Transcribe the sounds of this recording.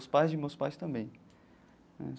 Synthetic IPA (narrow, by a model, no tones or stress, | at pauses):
spajzd͡ʒɪmewspajst̪ɐ̃mbẽj̃ | nɛ̰